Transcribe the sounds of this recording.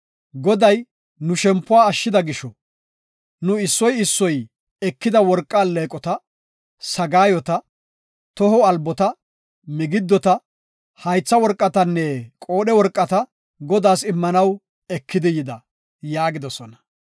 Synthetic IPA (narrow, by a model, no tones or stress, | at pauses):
ɡɔd̪ɐj | nʊʃɛmpːʊwaːʃːɪd̪ɐɡɪʃɔ | nʊɪsːɔjɪsːɔj | ɛkːɪd̪ɐwɔɾkʼːaːlːeːkʼɔt̪ɐ | sɐɡaːjɔt̪ɐ | t̪ɔɦɔɐlbɔt̪ɐ | mɪɡɪd̪ːɔt̪ɐ | hɐjt͡sːɐwɔɾkʼːɐt̪ɐnːɛkʼo̞ːɗɛwɔɾkʼːɐt̪ɐ | ɡɔd̪aːsɪmːɐnɐw | ɛkːɪd̪ɪjɪd̪ɐ | jaːɡɪd̪ɔsɔnɐ